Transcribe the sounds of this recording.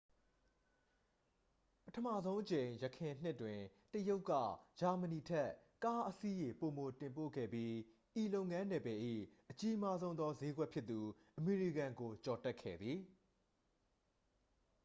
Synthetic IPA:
pətʰəma˦˨zõ˦ʊ̃ʔət͡ɕẽ˨ɪ̃jəkʰɪ̃˨n̥ɪ˦˨twɪ̃˨ | təjo˦ʊkːä̰˦˨d͡ʑa˨məni˨tʰɛ˦ka˦ʔəsi˦je˨po˨mo˨tɪ̃˨mpo̰˦˨ɡɛ̰˦˨bji˦ | ʔi˨lo˦ʊʔŋã˦nɛ˨bɛ˨ʔḭ˦˨ʔət͡ɕi˦ma˦zõ˦ʊ̃nðɔ˦ze˦ɡwɛ˦ʔpʰjɪ˦t̪ːu˨ʔəme˨ɹi˨kã˨ŋɡo˨t͡ɕɔ˨tɛ˦ʔkʰːɛ̰˦˨d̪ði˨

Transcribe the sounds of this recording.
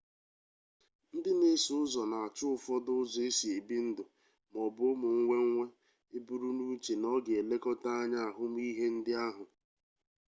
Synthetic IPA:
n̩˦dɪ˦m˦e˦sʊ˦zɔ˨na˨a˨t͡ʃʊ˦ʊ˨fɔ˦dʊ˦zɔ˨e˦si˨e˨bi˦n̩˦dʊ˨ | m˨ɔ˨bʊ˦mʊ˨ŋ̩˦ŋʷe˦ŋ̩˦ŋʷe˦ | e˦bu˦ɾu˦nu˦t͡ʃe˨nɔ˦ɡe˨e˨le˦kɔ˦ta˦a˦ɲa˦a˨ɦʊ˦m˦i˦ɦe˦n̩˦dɪ˦a˦ɦʊ˨

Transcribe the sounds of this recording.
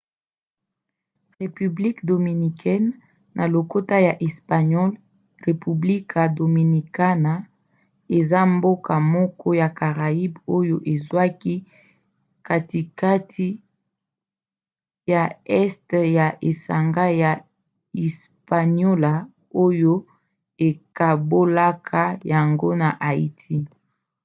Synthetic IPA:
ʁe˨py˨bli˦kdo˨mi˨ni˨kʰɛ˦nː | ʔa˨lo˨ko˦ta˦ja˨ʔɛ˨spa˨ɲɔ˦l | ʁe˨py˨bli˦kʰa˨do˨mi˨ni˨ka˦na˨ | e˨za˦mbo˦ka˨mɔ˦kɔ˦ja˨ka˨ʁa˨i˦bo˦jo˦ʔe˨zwa˦ki˦ | ka˦ti˨ka˦tʰi˦ | ja˨ɛ˦stja˨ʔe˨sa˨ŋɡa˦ja˨ | ɛ˨spa˨ɲɔ˦la˨ | o˦jo˦ | e˨ka˨bo˦la˦kʰa˦ja˨ŋɡo˦na˨ʔa˨i˦tʰi˦

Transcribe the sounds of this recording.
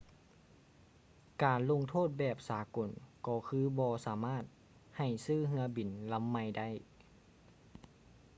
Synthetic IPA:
kaː˨˩nlo˧˥˨ŋt̪ʰoː˥˨t̪̚bɛː˨˩p̚saː˩˦ko˨˩nkɔː˧˩kʰɯː˧˥bɔː˧saː˨˦maː˥˩t̪̚ | ha˨˩jsɯː˥˨ɦɯ˧˥ɐbi˨˩nla˧˥mːa˧˩jda˥˩j

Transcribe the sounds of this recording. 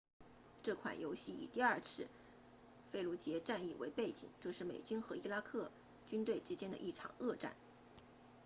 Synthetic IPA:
ʈ͡ʂɤ˥˩kʰwa̰˨˩njo˧˥ʊɕi˥˩ḭ˨˩t̪i˥˧ɐ˞˥˧t͡sʰɻ̩˥˩ | fe˥˧ɪlu˧˥t͡ɕjɛ˧˥ʈ͡ʂa˥˧ni˥˩wḛ˧˥ɪpe˥˩ɪt͡ɕḭ˨˩˦ŋʈ͡ʂɤ˥˧ʂɻ̩˥˩mḛ˨˩ɪt͡ɕy˥nxɤ˧˥i˥˧la˥kʰɤ˥˩ | t͡ɕy˥nt̪we˥˩ɪʈ͡ʂɻ̩˥t͡ɕjɛ˥nd̪ə̰˧ʔi˥˩ʈ͡ʂʰɑ̰˨˩ŋɤ˥˧ʈ͡ʂa̰˥˩n

